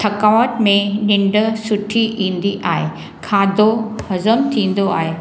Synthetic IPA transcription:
t̪ʰɐkaːʋəʈmẽnɪ̃ɳɖə̆sʊʈʰiʔĩːn̆d̪iʔaːɦe | kʰaːd̪obɐzəmt̪ʰĩːn̆d̪oa̰ːɦeː

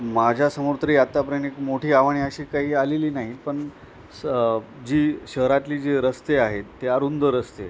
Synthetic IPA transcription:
mad͡ʑʱasəmoɾt̪ɾiːat̪ːapəɾənekmoʈʰiːaʋɳiəɕiːkaɦiːaleliːnaɦipəɳ | d͡ʑiːɕəɦɾat̪liːd͡ʑeɾəst̪eaɦet̪ːeaɾund̪ʱəɾəst̪e

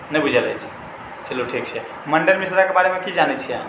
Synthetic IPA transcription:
nəjbud͡ʒʱɛləjt͡ʃʰɛ̥ | t͡ʃəluʈʰik̚t͡ʃʰɛ | məɳɖəɾmisɾakebaɾemekid͡ʒanɛt͡ʃʰi

